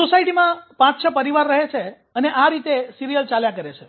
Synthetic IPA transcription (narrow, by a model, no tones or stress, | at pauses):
sosaiʈimãpãt͡ʃʃʰəpəɾiʋaɾːəɦet͡ʃʰe | əneʔaɾit̪esiɾijəlt͡ʃaljãkəɾet͡ʃʰe